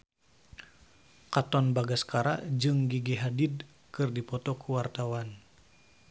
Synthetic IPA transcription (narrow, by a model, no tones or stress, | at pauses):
kat̪ɔnbaɡaskaɾa̰ʔd͡ʒɨŋɡiɡiɦadid̚ | kɨrdipɔt̪ɔkuwart̪awan